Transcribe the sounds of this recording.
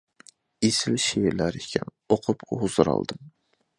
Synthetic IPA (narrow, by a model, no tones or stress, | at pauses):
esɪlʃiwilæɾikʲʰɛn | oqʰʊpuhuzɨɾɑ̰lˠd̪ɨm